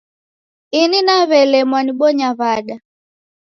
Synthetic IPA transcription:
ininaβɛlɛmwaniɓɔɲaβaɗa

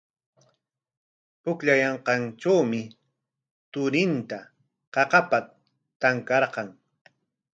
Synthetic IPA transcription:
pʊkʎajɑɴqɑnt͡ʃawmɪ | t̪ʊɾɪnt̪a | qɑqɑpa | t̪aŋkɑɾqɑŋ

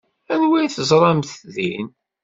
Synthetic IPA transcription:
ænwæjθəzˤɾˤɑmθðin

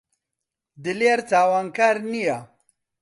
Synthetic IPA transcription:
d̪ɨleːɾt̪aːwaːnkaːɾnija

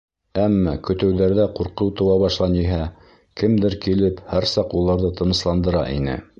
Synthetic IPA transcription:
æmːɑkɵ̆t̪ɘ̆wðæɾðæquɾqɤwt̪ɤ̆wɑβɑʃlˠɑnjiɦæ | kɘmd̪ɘɾkilɘphæɾsɑqulˠɑɾðɤt̪ɤ̆nɤ̆slˠɑnd̪ɤ̆ɾɑ̰ʔḭnɘ̰

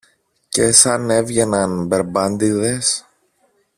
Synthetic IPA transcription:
ce̞sɐne̞vʝe̞nɐnbe̞ɾbɐnd̪iðe̞s

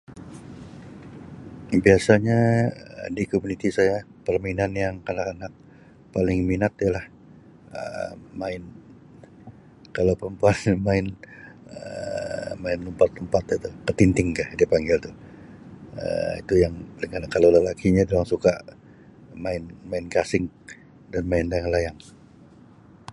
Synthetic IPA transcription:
biasaɲaə̰dikomunit̪isajapərminanjaŋkanakanak̚ | palɪŋminat̪jalah | ə̰maɪn | kalawpəmpuanmaɪnə | maɪnlumpat̪əmpat̪it̪ukət̪int̪ɪŋkahdiapaŋɡɪlt̪ʊh | ə̰ḭt̪ujaŋpəliŋkanakalalalakʰiɲadioaŋsukaʔ | maɪnmaɪnkasɪŋ | danmaɪndaŋalajaŋ

